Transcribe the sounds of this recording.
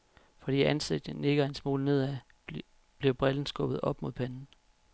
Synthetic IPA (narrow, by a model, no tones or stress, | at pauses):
fɒ̽d̥ḭːænseɡ̥̚d̥ne̝ɡ̥ɐe̝nsmo̝̰ːlne̝ð̞̰ˠæ | b̥liɐb̥ʁɛln̩sɡ̥ɔ̽b̥ð̞̩ˠɒ̽b̥mo̝ð̰ˠpʰænn̩